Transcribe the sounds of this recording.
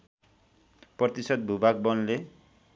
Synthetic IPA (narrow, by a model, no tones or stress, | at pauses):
prʌt̪isʌt̪̚bʱubak̚bʌnle